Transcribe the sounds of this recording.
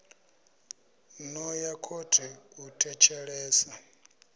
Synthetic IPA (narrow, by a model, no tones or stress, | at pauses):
nɔjakʰotʰiutʰʼɛt͡ʃʰɛɺɛːsa